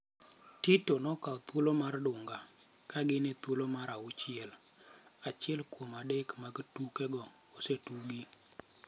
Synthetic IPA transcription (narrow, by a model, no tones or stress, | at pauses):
titonɔkaɔt̪wolomardʊŋɡa | kaɡɪnet̪wolomaɾaʊt͡ʃɪɛl | at͡ʃɪɛlkomadekmaɡtukɛɡɔ | osetuɡi